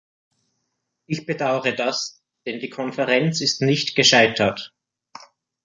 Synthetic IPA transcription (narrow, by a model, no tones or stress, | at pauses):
ʔɪçb̥ədaʊʁədas | d̥ɛndiːkʰɔnfɛʁɛnt͡sɪstnɪçtɡ̥əʃaɪtʰɐt